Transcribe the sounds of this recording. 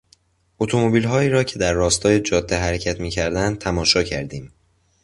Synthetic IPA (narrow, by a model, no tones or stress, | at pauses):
ʔot̪ʰomobiːlɦɒːiːɾɒːcʰe̞d̪æɾːɒːst̪ʰɒːje̞d͡ʒɒːd̪ːeɦæɾecʰæt̪miːcʰæɾd̪ænd̪̚t̪ʰæmɒːʃɒːcʰæɾd̪iːm